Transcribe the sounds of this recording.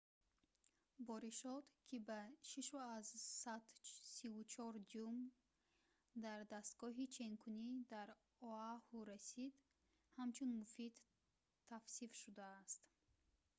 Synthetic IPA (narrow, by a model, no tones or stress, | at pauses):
bɔɾiʃɔd̪kʰibaʃiʃuazsat̪sivut͡ʃʰɔɾd͡ʒum | d̪aɾd̪ast̪ɡɔɦit͡ʃʰenkʰunid̪aɾ | ɔahuɾasid̪ | hamt͡ʃʰunmufid̪ʰ | afsifʃud̪aːst̪